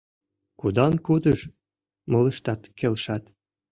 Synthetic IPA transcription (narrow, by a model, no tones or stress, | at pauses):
kud̪ɑnkud̪əʃ | molə̆ʃt̪ɑt̪kelʃɑt̪